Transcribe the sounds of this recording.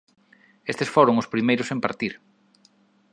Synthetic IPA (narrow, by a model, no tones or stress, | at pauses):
est̪esfoɾʊŋʊspɾimejɾʊsempa̰ɾt̪iɾ